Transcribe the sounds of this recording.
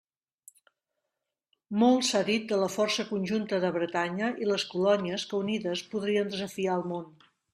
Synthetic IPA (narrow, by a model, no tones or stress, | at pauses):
molˠsaðit̪̚d̪ələfɔrsəkunʲʒunt̪əðəβɾət̪aɲəʔiləskulɔniəskəuniðəspuðɾiənd̪əzəfiaəlˠmon